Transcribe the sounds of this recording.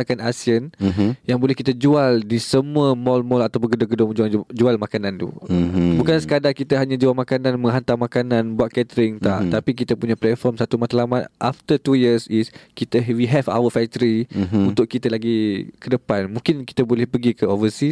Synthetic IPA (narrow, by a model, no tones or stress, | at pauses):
kanasiənjaŋbolɛhkit̪ad͡ʒualdisəmuəmɔlmɔlat̪awpʊŋɡədʊŋɡədʊŋmə̃d͡ʒuald͡ʒualmakanãnt̪ṵbukansə̥kadakit̪əɦaɲãd͡ʒualmakanãnmə̃ŋɦant̪amakanãnbuat̪̚kɛt̪əɾɪŋt̪aʔt̪apik̬it̪əpuɲaplɛt̪̚fɔrmsat̪umat̪alamat̪ʔaft̪ətujəsiskit̪əwiɦɛva̰wəfɛk̚t̪əɾiunt̪ʊʔkit̪alaɡikədəpanmũŋkɪnki̥t̪əbolɛhpəɡikəovəsi